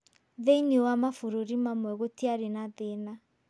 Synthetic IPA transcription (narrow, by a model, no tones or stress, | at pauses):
ðeiniowamafoɾoɾimamwɛɣotiaɾenaðena